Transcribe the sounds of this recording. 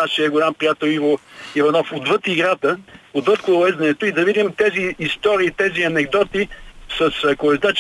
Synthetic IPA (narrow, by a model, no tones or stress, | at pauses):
aʃiəɡʊlʲampɾijat̪ɛlˠivoivɐnɔfod̪vɤt̪iɡɾat̪əod̪vɤt̪̚kʊlɛzd̪ɐnɛt̪ʊid̪ɐvid̪imt̪ɛziːst̪ɔɾiːt̪ɛziɐnɛɡd̪ɔt̪isɐskʊɛzd̪at͡ʃ